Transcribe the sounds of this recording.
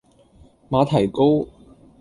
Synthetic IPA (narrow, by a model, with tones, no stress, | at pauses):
maː˨˧t̪ʰɐ˨˩jko˥w